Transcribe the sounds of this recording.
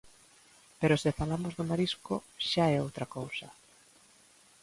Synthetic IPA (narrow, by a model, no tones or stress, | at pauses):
peɾosɪfalamozðʊmaɾiskoʃaɛowt̪ɾakowsɐ